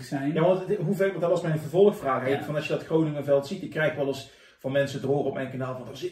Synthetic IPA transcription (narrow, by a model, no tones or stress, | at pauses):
sɛjjaːʋɑntɦuvɛʋndɔɑsmɛjnəvəɹvɔlˠəxfraːxɦɛjtfɑnɑsʃjədɑtxrownɪŋəvɛlˠtsitɪkːrɛjxʋɛlˠəs | vɑnmɛnsədroːrəɔp̚mɛjnkanaːlˠvɑndərzɪ